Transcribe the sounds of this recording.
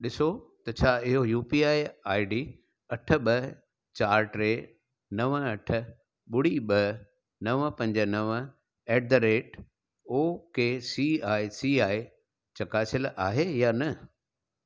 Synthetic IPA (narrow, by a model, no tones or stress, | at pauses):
ɗɪsot̪ɐt͡ɕʰaːɪɦojuːpiaːiaːiɖiː | ɐʈ̆ʰɓɐ | t͡ɕaːɾʈɾeː | nɐʋəɐʈʰə̆ | ɓʊɽiɓɐ | nɐʋpɐ̃ɲd͡ʑə̆nɐʋ | ɛːʈ̚d̪ɐɾeːʈ | oːkeːsiaːisiːaːi | t͡ɕɐkaːsɪlʔaːɦejaːnɐ